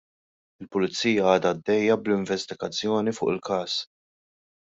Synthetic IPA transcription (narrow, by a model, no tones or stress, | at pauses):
ɪlpʊlɪt͡sːiːjɐɐːd̪ɐːd̪ːɛjːɐblɪɱvɛst̪ɪɡɐt͡sːjɔːnifʊːʔɪlkɐːs